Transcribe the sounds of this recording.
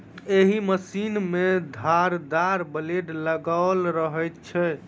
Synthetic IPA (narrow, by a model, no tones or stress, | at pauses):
eɦiməsinmed̪ʱaɾd̪aɾbəleɖləɡalɾəɦəjt̪t͡ʃʰɛ